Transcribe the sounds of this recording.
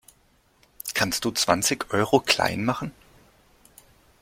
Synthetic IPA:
kʰanst̚d̥uːt͡sv̥ant͡sɪçʔɔʏʁokʰl̥a̰ɪnmaχn̩

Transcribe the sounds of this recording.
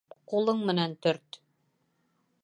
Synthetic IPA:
qulˠɤɴmɘ̆nænt̪ɵɾt̪

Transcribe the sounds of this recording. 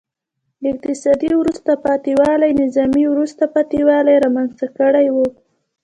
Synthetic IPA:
d̪ɪq̚t̪ɪsɑd̪iwɾust̪apɑt̪iwɑlajnɪzɑmiwɾust̪apɑt̪iwɑlajɾɑmanst̪akəɽajwu

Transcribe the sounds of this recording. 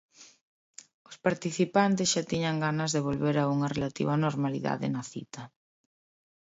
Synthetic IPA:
ʊspaɾt̪iθipant̪ɪsʃat̪iɲɐŋɡanɐzðeβ̞olβeɾauŋɐrelat̪ḭβanoɾmalḭða̰ðɪ̰nɐθḭt̪ɐ

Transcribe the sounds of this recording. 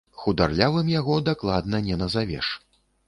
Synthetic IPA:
xud̪arlʲavɨmjaɣɔd̪aklˠad̪nɐnʲɛnɐzavʲɛ̰ʂ

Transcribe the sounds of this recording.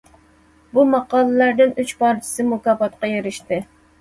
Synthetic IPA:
bumɑqɑːlˠɨlæɾd̪ɪnyt͡ʃpʰɑɾt͡ʃʰɪ̥sɨmʊkɑːfɑt̪qɑjeɾɪʃt̪ɨ

